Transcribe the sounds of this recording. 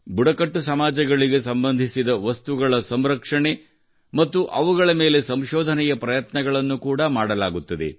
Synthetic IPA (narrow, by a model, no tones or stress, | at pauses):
buɽɐkɐʈːusɐmaːd͡ʒɐɡɐɭiɡe̞sɐmbɐnd̪ʱisid̪ɐʋɐst̪uɡɐɭɐsɐmɾɐkʂɐɳe | mɐt̪ːuʔɐʋuɡɐɭɐme̞ːle̞sɐmʃɔːd̪ʱɐnɛjɐpɾɐjɐt̪nɐɡɐɭɐnːukuːɽɐmaːɽɐlaːɡut̪ːɐd̪ḛ